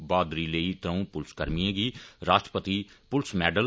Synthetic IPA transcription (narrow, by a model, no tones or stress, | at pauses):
baːd̪ɾiːleit̪ɾə̃ũːpʊlskəɾmiẽːɡiːɾaːʃʈə̥pət̪ipʊlsmɛːɖəl